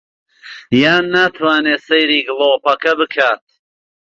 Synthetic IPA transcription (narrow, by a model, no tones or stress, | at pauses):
jaːnːat̪ʰwaːneːsɐjɾiːɡɨloːpʰɐkɐbɨkʰaːt̪̚